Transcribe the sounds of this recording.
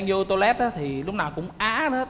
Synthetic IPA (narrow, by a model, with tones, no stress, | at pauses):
ŋzɨ˧t̪o˧lɛ˦˥t̚a˨˦t̪ʰi˨˩lʊ˦˥k͡p̚naː˨˩wkʊ̰˧˥ŋ͡mʔaː˨˦˨